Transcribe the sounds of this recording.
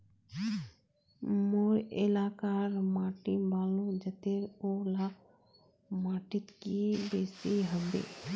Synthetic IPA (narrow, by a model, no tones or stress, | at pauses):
moɾḛlakaɾmaʈibalud͡ʒət̪eɾola | maʈit̪kibesiɦəbḛ